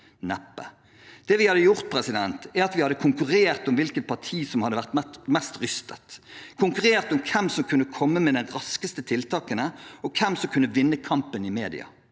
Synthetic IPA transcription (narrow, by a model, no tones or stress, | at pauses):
nɛpːə̰ | d̪̥ɛːʋɪhɑd̪əjʊɾt̪̚pʰɾɛsɪd̪ɛnt̪æɾɑt̪ʋɪhɑd̪ːəkʰʊŋkʉɾeːʁt̪ɔmʋɪlkət̪̚pʰɑt̪ʰiːsɔmhɑd̪ːəʋæʁt̪mɛst̪ɾʏst̪ʰət̪kʰʊŋkʉɾeːʁt̪ɔmkʰɛmsɔmkʰʉnːəkʰɔmːəmɛd̪ɛnɾɑskəst̪ət̪ʰɪlt̪ʰɑːkənəɔkʰɛmsɔmkʰʉnːəʋɪnːəkʰɑmpənɪmeːd̪ɪ̰ɑ̰